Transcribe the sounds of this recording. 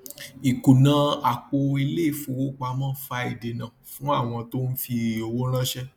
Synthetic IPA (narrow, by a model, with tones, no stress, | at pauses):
i˨ku˨nã˨˦a˨k͡po˧e˧le˦i˦˨fu˨wo˦k͡pa˧˦mã˦˨˦fa˧i˨de˨nã˨fũ˨˦a˦˨w̃ɔ̃˧to˦n̩˦fi˧o˧˨wo˦ɾ̃ã˦ʃɛ˦